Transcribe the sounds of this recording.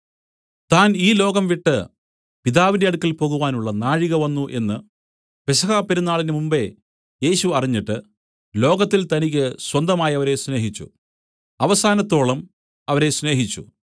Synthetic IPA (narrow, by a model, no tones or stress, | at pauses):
t̪aːniːlo̞ːɣɐmʋiʈːɨ | piðaːʋindɐɐɽukːilpo̞ːɣuʋaːnuɭːɐnaːɻiɣɐʋɐnːuʔe̞nːɨ | pesɐɣaːpːeɾunːaːɭinɨmumbe̞ | je̞ːɕuɐriɲːiʈːɨ | lo̞ːɡɐt̪ːilt̪ɐnik̬ʲːɨswɐnd̪ɐmaːjɐʋɐɾe̞sne̞ːɦit͡ɕːṵ | ɐʋɐsaːnɐt̪ːo̞ːɭɐm | ɐʋɐɾe̞sne̞ːɦit͡ɕːṵ